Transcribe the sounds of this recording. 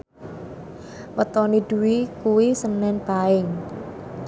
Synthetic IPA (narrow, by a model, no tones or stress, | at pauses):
wət̪ɔniɖ̥uwikuwisənnɛnpaɪŋ